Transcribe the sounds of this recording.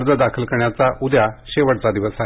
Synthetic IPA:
ɾd͡zəd̪akʰəlkəɾɳjat͡saʔud̪jaɕeʋəɽt͡sad̪iʋəsa

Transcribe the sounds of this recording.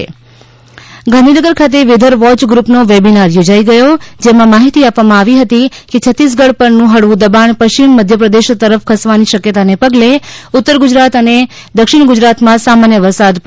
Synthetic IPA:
ɡʱə̃nd̪inəɡəɾkʰat̪̬eʋɪd̪ʱəɾʋɔt͡ʃɡɾupnoʋebinaɾjod͡ʒaiɡəjod͡ʒemãmaɦit̪iapʋamãaʋiɦət̪iket͡ʃʰət̪ːis̬ɡəɽpəɾnũɦəɽʋũd̪əbaɳpəʃt͡ʃimːəd̪ʱjəpɾəd̪eʃt̪ːəɾəfkʰəsʋaniʃəkjət̪anepəɡleʊt̪ːəɾɡʊd͡ʒɾat̪əne | d̪əkʃɪɳ̃ɡʊd͡ʒɾat̪mãsamanjəʋəɾsad̪p

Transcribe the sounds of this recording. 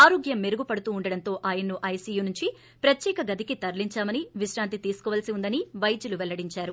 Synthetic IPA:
aːɾoːɡjɐmːeɾuɡupɐɽut̪uːɳɖɐɽɐnt̪o̞ːʔaːjɐnːuʔɐjsiːjuːnuɲt͡ʃi | pɾɐt̪jɛːkɐɡɐd̪ikit̪ɐɾliɲt͡ʃaːmɐniʋiʃɾaːnt̪it̪iːsu̥kɔʋɐːlɐsiund̪ɐniʋɐjd͡ʒuluʋɛlːɐɽiɲt͡ʃaːɾu

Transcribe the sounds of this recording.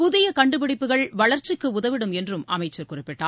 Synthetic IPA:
pʊðɪjɐkɐɳɖɯpɪɽɪpːɯɣɐɭʋɐɭɐɾt͡ʃɪkːɯʊðɐʋɪɽɯmɛndrɯmɐmɐɪt͡ʃːɐɾkʊrɪpːɪʈːa̰ː

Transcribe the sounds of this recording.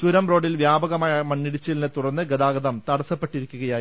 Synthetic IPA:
suɾɐmro̞ːɽilʋjaːbɐɣɐmaːjɐmɐnːiɽit͡ɕːilinɨt̪urɐnːɨɡɐd̪aːɡɐðɐmt̪ɐɽɐsɐpːeʈːiɾikʲːuɣɐjaːj

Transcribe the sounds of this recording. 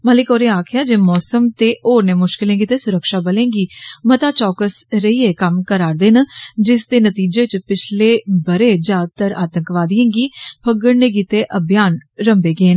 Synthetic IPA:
məlɪkoːɾeːaːkʰjaːd͡ʒeːmɔːsəmt̪eːʔoːɾneːmʊʃkɪlẽːɡiːt̪eːsʊɾəkʃaːbəlẽːŋɡiːmət̪aːt͡ʃɔːkəsɾəiːeːkəmkəɾaːɾd̪eːnad͡ʒɪsd̪eːnət̪iːd͡ʒeːt͡ʃpɪt͡ʃʰleːbəɾeːd͡ʒjaːd̪t̪əɾa̰ːt̪ə̃ŋkʋaːd̪ijẽːɡiːpʰəɡəɽneːɡiːt̪eːʔəbʱjaːnɾəmbeːɡeːn

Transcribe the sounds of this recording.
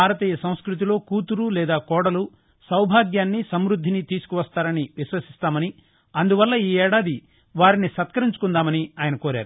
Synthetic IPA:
bbʱaːɾɐt̪iːjɐsɐ̃w̃skɾut̪̬ilo̞ːkuːt̪uɾulɛːd̪aːkɔːɽɐlu | sɐwbʱaːɡjaːnːisɐmɾud̪ʱːinit̪iːsu̥kuʋɐst̪aːɾɐniʋiʃʋɐsi̥st̪aːmɐni | ɐnd̪uʋɐlːɐiːɛːɽaːd̪i | ʋaːɾinisɐt̪kɐɾiɲt͡ʃu̥kund̪aːmɐniaːjɐnɐkoːɾa̰ːɾu

